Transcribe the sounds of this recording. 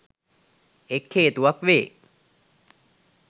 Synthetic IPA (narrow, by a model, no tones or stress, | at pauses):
ekʰːeːt̪uʋakʋeː